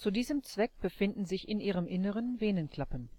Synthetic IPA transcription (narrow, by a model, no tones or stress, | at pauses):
t͡sudiːzəmt͡sv̥ɛk̚b̥əfɪndn̩zɪçɪnʔiːʁəmʔɪnəʁənveːnənkʰl̥apən